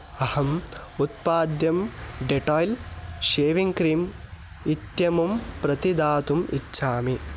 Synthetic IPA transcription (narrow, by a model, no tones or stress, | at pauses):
ɐhɐm | ut̪̚paːd̪jɐmɖeʈɔːjlʃeːʋiŋkɾiːm | it̪jɐmumpɾɐt̪id̪aːt̪umḭt͡ʃːʃʰaːmi